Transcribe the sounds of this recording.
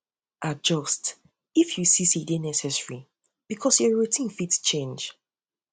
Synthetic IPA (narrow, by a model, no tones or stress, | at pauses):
ʔad͡ʒɔst | ifjusisidenɛsɛsɹi | b̥ikʰɔsjɔɹutʰĩnfitst͡ʃẽnd͡ʒ